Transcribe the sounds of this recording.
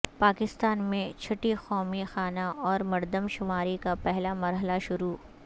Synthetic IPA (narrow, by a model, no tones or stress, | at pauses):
paːkɪst̪aːnmẽt͡ʃʰɐʈixɔːmixaːnaʔɔːɾmɐɾd̪əmʃʊmaːɾikapɛɦlamɐɾɦəlaʃʊɾuː